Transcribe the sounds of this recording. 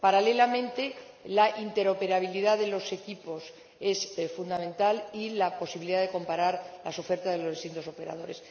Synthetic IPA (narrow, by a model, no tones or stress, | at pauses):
paɾale̞lamẽ̞nt̪e̞ | laʔint̪e̞ɾo̞pe̞ɾaβ̞iliðaðe̞lo̞se̞kipo̞s | e̞sfund̪amẽnt̪alilapo̞siβiliðaðe̞ko̞mpaɾaɾlaso̞fe̞ɾt̪azðelo̞zðest̪int̪o̞so̞pe̞ɾa̰ð̞o̞ɾe̞s